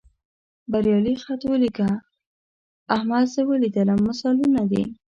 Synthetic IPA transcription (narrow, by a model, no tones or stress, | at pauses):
baɾjɑlixat̪wəlika | ahmad̪səwəlid̪əlamasɑlunad̪ḭ